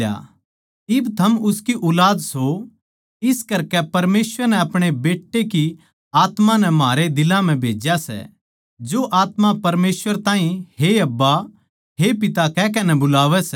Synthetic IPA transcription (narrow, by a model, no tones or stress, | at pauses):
a̰ | ɪbt̪ʰɐmʊskiʔʊlaːd̪so | ɪskɐɾkɛpɐɾmeːsʋəɾnɛɐpɽ̃ebeːʈːeki | aːt̪mãnɛmaːɾed̪ɪlãm̤ɛ̃bʱeːd͡ʒjasɛ̰ | d͡ʒoʔaːt̪mãpɐɾmeːsʋəɾt̪ãːĩɦeɐbːa | ɦepɪt̪akɛːk̬ɐnɛbʊlaːʋɛsɛ